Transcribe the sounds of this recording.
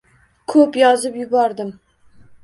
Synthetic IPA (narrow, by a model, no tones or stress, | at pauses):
kʰɵpjɒzɪpjʊbɒɾd̪ɪm